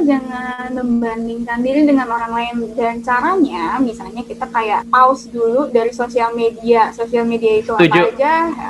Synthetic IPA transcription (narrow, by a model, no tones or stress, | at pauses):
d͡ʒaŋandəmbandɪŋkandiɾidəŋanoɾaŋlaɪnd͡ʒaaɲt͡ʃaɾaɲamisalɲakit̪akajaʔaʊsduludaɾisosialmediasosialmediait̪uat̪pad͡ʒd͡ʒa